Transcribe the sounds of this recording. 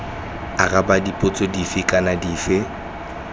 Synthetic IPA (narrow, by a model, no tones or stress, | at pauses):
arabadipʼʊt͡sʼɔdifɪkʼanadiːfɪ